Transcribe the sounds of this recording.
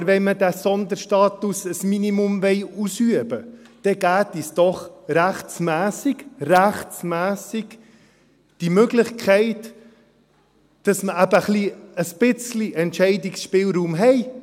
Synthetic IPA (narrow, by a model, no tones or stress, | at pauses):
ɾʋɛnmədæsɔnd̪əɾʃtɑːt̪usəsminimumvɛɪusyəbəd̥ɛɡ̥æːtisd̥ɔχɾæχt͡smæːsɪɡ̥ræχt͡smæːsɪɡ̥ | d̥imøɡlɪχkʰχɛɪt | d̥ɑsməæbəχliəsb̥ɪt͡sliʔɛntʃɛɪdɪksʃpɪːlɾuːmɦɛɪ